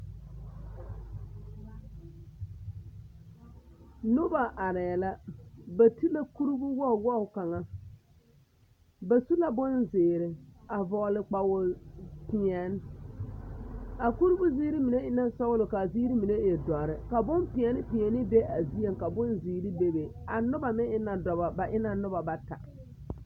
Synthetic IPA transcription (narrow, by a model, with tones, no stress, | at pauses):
nʊ˦ba˨ʔa˨ɾɪ˨ɛ˨la˦ba˨ti˦la˦ku˦ɾu˦bʊ˦wɔ˦˨wɔ˦ʊ˨ka˨ŋa˦ | ba˨su˦la˦bʊ˦nzɪː˨ɾɪ˨a˨vɔ˨lɪ˨k͡pa˨wʊ˨pɪ˨ɛ˨n˦ | a˨ku˦ɾu˦bʊ˦ziː˦ɾi˦mi˨ne˦ɪ˦na˦sɔ˦ʊ˦lʊ˨ka˨ziː˦ɾi˦mi˨ne˦e˨dɔ˨ɾɪ˨ka˨bʊ˦mpɪ˨ɛ˨˦nɪ˦pɪ˨ɛ˨nɪ˦be˦ʔa˨zi˦e˦˨ŋka˨bʊ˦nziː˨ɾi˦be˦be˨a˨nʊ˦ba˨mɪ˦ɪ˦na˨dɔ˨ba˨ba˨ʔɪ˦na˨nʊ˦ba˨ba˨ta̰˨